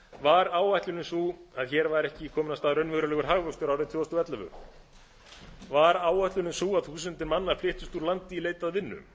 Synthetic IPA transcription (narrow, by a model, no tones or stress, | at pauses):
vaɾaːwajht̪lʏnɪmsuaðçɛːɾvaɾɛhcɪkʰɔːmɪnast̪aːðɾœnvɪɣɾʏlɛɣʏɾ̥ɦaɣvœkst̪ʏɾawɾɪðt̪ʰvœːɔst̪ɔvɛt̪lavʏ̰ | vaɾaːwajht̪lʏnɪsuaðθuːsʏnt̪ɪmanːaɾ̥flɪht̪ʏst̪uɾlant̪ɪileːjt̪aðvɪnːʏ̰